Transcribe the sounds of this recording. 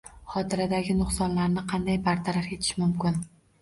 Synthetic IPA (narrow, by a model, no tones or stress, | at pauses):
χɒt̪ʰɪɾad̪aɡʲɪnʊχsɒnlaɾnɪqʰɑnd̪ajbaɾt̪ʰaɾaɾe̞t̪ʰɪ̥ʃmʊmkʲɪn